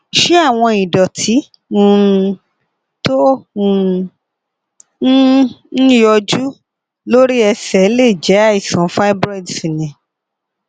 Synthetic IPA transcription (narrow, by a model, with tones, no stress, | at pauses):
ʃe˦a˦˨w̃ɔ̃˧i˨dɔ˨tʰi˨˦ | ũ˦˧ | tõ˦˧˦ | jɔ˧d͡ʒu˦ | lo˦ɾi˦ɛ˧sɛ˨˦le˦˨d͡ʒɛ˨˦a˦˨i˨sɔ̃˨˦fa˦bɾa˦˨dsi˨nĩ˨